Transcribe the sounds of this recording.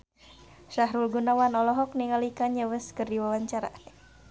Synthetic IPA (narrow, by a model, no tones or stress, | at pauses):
ʃaɦɾulɡunawanɔlɔɦɔk̚niŋalikaɲəwəskərdiwawaɲt͡ʃaɾa̰